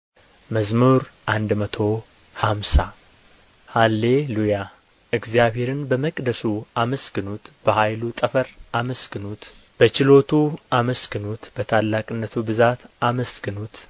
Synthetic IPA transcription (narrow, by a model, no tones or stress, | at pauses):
məzmuɾʔand̪mət̪ʰo̞ | hamsa | halːe̞luja | ɨɡzijaβhe̞ɾɨnbəməkʼd̪əsuaməsɡɨnut̪b̥əhajlut̪ʼəfəɾaməsɡɨnut̪ | b̥ət͡ʃɪlo̞t̪ʰuaməsɡɨnut̪b̥ət̪ʰalːakʼɨnːət̪ʰubɨzat̪aməsɡɨnut̪